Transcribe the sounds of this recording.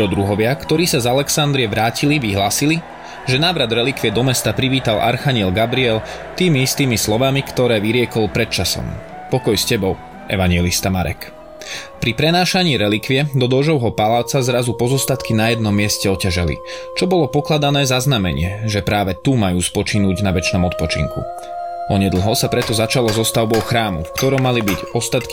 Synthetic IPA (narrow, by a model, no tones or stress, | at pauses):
ɾɔd̪ɾuɦɔʋɪakt̪ɔɾiːsazalɛksand̪ɾiɛʋɾaːciliʋiɦlaːsili | ʒɛnaːʋɾad̪ɾɛlikʋiɛd̪ɔmɛst̪apɾiʋiːt̪alʔa̰ɾxaɲɪɛlɡabɾiɛl | t̪iːmiist̪iːmislɔʋamikt̪ɔɾɛːʋiɾɪɛkɔlpɾɛt̪̚t͡ʃasɔ̰m | pɔkɔjscɛbɔʊ | ʔɛ̰ʋaɲɪɛlist̪amaɾɛ̰k | pɾipɾɛnaːʃaɲiːɾɛlikʋiɛd̪ɔd̪ɔʒɔʊɦɔpalaːt͡sazɾazupɔzɔst̪at̪kinajɛd̪̚nɔmːɪɛscɛɔcaʒɛlḭ | t͡ʃɔbɔlɔpɔklad̪anɛːzaznamɛ̰ɲɪɛʒɛpɾaːʋɛt̪umajuːspɔt͡ʃinuːɟnaʋɛt͡ʃnɔmɔt̪̚pɔt͡ʃḭŋkṵ | ʔɔɲɛd̪l̩ˠɦɔsapɾɛt̪ɔzat͡ʃalɔzɔst̪aʊbɔʊxɾaːmṵfkt̪ɔɾɔmːalibiɟɔst̪at̪ki